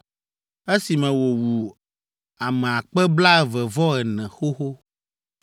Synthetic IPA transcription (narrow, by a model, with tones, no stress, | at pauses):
e˦si˨mɛ̃˨wo˨wu˨ | a˨mɛ˨a˨k͡pɛ˦bla˦ɛ˦vɛ˨vɔ˦ɛ˨nɛ̃˨xo˦xo˦